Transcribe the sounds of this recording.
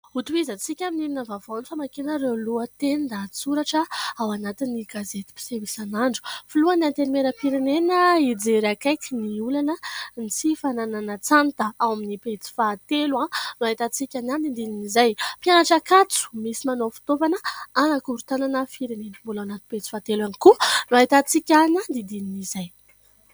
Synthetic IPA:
ut̪uizat͡sikʲaminilinəvavonifamakenəɾeluət̪enind̪at͡suɾaʈ͡ʂəawanat̪inːiɡazet̪i̥pi̥sevisanaɳɖ͡ʐu̥filuanant̪enimeɾəfiɾenenəid͡zeɾakajkiniulanənit͡sifanananət͡sant̪əawaminipet͡si̥fat̪eluãnaɦit̪at͡sikʲanand̪id̪ininizajpjanaʈ͡ʂakat͡su̥misimanofi̥t̪ovanəanakuɾut̪ananəfiɾenenəmbulawnat̪i̥pet͡si̥fat̪elanikunuaɦit̪at͡sikʲanand̪id̪ininizaj

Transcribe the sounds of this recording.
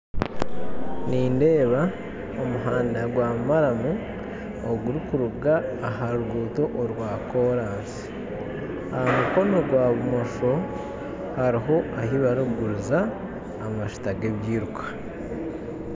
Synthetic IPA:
niːnde̞ːβa | omuɦaːndaɡwaːmumaɾamu | oɡuɾikuɾuɡaːɦaɾuɡuːto̞ʔoɾwaːko̞ɾaːnsi̥ | ahamuko̞no̞ɡwaːβumoʃo | haɾiɦo̞ahiβaɾuɡuɾuzaː | maʃu̥taɡeβjiːɾukʰḁ

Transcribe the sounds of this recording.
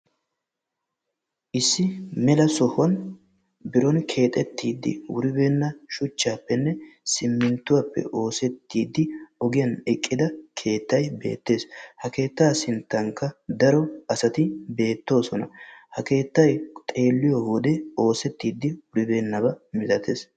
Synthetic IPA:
ʔɪsːɪmɛlɐsɔhʊɐn | bɪɾɔnkʰe̞ːt̪ʼɛt̪ːiːd̪ːɪ̰wʊ̰ɾɪbeːnːɐʃʊt͡ʃːaːpːɛnːɛsɪmːɪnt̪ːʊwapːɛ̰ʔo̞ːsɛt̪ːiːd̪ːɪɔɡɪjɐnɛkʼːɪd̪ɐkʰe̞ːt̪ːɐjbe̞̰ːt̪ːe̞ːshɐke̞ːt̪ːaːsɪnt̪ːɐŋkːɐd̪ɐɾɔɐsɐt̪ɪbe̞ːt̪ːo̞ːsɔnɐhɐke̞ːt̪ːɐjt̪ʼe̞ːlːɪjɔwɔd̪ɛo̞ːsɛt̪ːiːd̪ːɪwʊɾɪbe̞ːnːɐbɐmɪt̪ɐt̪ʰe̞ːs

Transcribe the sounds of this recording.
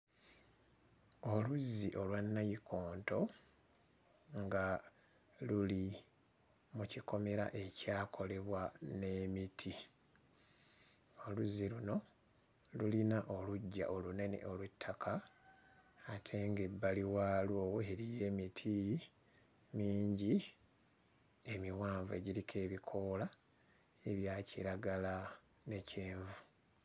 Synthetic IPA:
o̞luzːiʔo̞lwanːajikʰo̞ːnto̞ | ŋɡa | luli | muciko̞me̞ɾa̰ʔe̞caːkʰo̞le̞βwane̞mitʰi | o̞luzːiluno̞ | lulinaʔo̞luɟːa̰ʔolune̞nḛʔo̞lwutʰːakʰa | tʰe̞ːŋɡebːaliwaːlwoːeɾije̞ːmitʰi | miːɲɟi | e̞miwaːɱvuḛɟiɾikʰe̞ːβikʰo̞ːla | e̞βjaːciɾaɡala | ne̞ceːɱvu̥

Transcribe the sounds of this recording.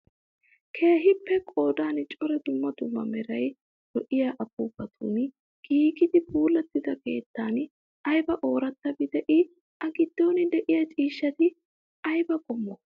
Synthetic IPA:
kʰe̞ːɦɪpːɛkʼo̞ːd̪aːnt͡ʃʼɔɾɛd̪ʊmːɐd̪ʊmːɐ̰mɛɾɐj | d̪̥ɔʔɪjaʔɐpuːbɐt̪ʰṵn | ɡ̥iːɡɪd̪ɪbuːlːɛt̪ːɪd̪ɐke̞ːt̪ːaːn | ɐjbɐʔo̞ːɾɐt̪ːɐbɪd̪ɛʔɪ | ɐɡɪd̪̥ːo̞ːnɪd̪ɛʔɪjɐt͡ʃʼiːʃːɐt̪ɪ | ɐjbɐkʼɔmːɔ

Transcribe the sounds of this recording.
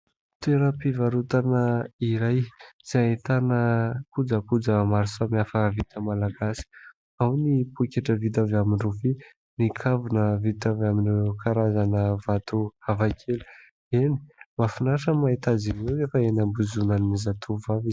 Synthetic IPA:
t̪eɾəpivaɾut̪anəiɾajz̥ait̪anəkud͡zəkud͡zəmaɾisamiafəvit̪ʰəmalaɡasi̥ | awnipukʲaʈ͡ʂəvit̪̬avaminruvi | nikʰavunəvit̪avaminekʰaɾazanəvat̪uavakʰelu̥ | eni̥mafinaʂəmait̪azinewzefəenambuzunannizat̪ʰuvaviz

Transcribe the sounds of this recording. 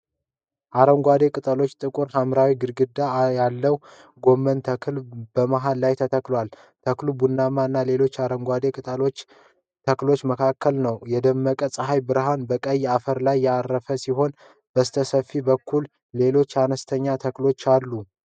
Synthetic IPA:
ʔaɾəŋɡʷad̪e̞kʼɨt̪ʼəlo̞t͡ʃːt̪ʼɨkʼuɾhamɾawiɡɨɾɡɨd̪ajalːəw | ɡo̞mːənt̪ʰəkʰɨlb̥əmaɦalːajt̪ʰət̪ʰəklwal | t̪ʰəklubunːamaɨnːale̞lo̞t͡ʃːaɾəŋɡʷad̪e̞kʼɨt̪ʼo | t̪ʰəklo̞t͡ʃːməkʰakʰːəlnəwjɛd̪əmːəkʼəsʼəɦajbɨɾɦanbəkʼəjːafəɾlajːɛaɾːəfəsiɦo̞n | b̥əsɨt̪ʰəsəfːibəkʰːulː | e̞lo̞t͡ʃːanəst̪ʰəɲːat̪ʰəklo̞t͡ʃːalːu

